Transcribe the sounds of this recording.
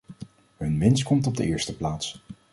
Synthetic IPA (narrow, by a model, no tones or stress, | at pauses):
ɦɵnʋɪnstkɔmtɔb̚də̰ʔɪːɹstəplaːts